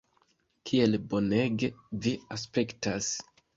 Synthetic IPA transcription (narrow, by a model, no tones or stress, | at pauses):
kʰie̞lbo̞neɡe̞vias̬pe̞ktas